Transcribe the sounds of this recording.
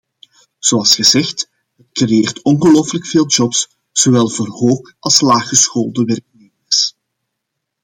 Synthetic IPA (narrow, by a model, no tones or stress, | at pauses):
z̥oɑlˠsɣəzɛxt | ɦətkreeːrtɔnɣəloːfələkfeːlˠd͡ʒɔps | z̥owɛlˠvoːrɦoːk | ɑlˠslaːxəsxoːlˠdəʋɛrk̚neːmərs